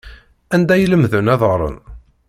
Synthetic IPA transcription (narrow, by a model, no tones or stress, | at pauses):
ænd̪æjələmðənæðˤəʁɾˤə̰n